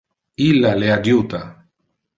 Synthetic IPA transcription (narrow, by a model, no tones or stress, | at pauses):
ilːaleadjuːt̪a